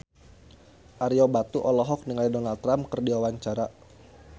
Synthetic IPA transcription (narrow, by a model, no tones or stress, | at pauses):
ʔaɾiɔbat̪uʔɔlɔɦɔk̚niŋajdɔnalt̪ːɾamkərdiwawaɲt͡ʃaɾa